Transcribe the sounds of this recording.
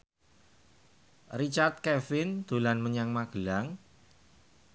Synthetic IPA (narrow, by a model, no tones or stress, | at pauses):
rit͡ʃart̪̚kɛfɪnd̪̥ṳlanməɲaŋmaɡ̥ə̤laŋ